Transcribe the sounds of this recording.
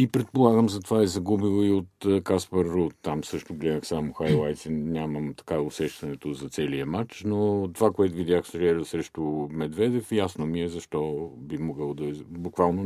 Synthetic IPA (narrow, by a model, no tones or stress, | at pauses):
ipɾɛt̪̚polˠaɡəmzɐt̪ovaɛzɐɡubilˠoiot̪ːkaspəɾːot̪t̪ːamsɤʃt̪ʊɡlɛd̪əxsamʊxajlˠajt̪sɛnʲaməmt̪ɐ̥kaʊsɛʃt̪ɐnɛt̪ʊzɐt̪sɛliəmat͡ʃnot̪ːovakoɛt̪ʊvid̪ʲjaxsɾʲɛɾsɾɛʃt̪ʊmɛd̪vɛd̪ɛfjasnomiɛzɐʃt̪ɔbimoɡəlˠd̪ɐbʊkvalˠno